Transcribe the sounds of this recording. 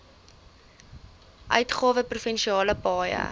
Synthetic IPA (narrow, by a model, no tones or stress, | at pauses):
ʔœɥtχɑːvəprufɛnʃiɑːləpɑːjə̰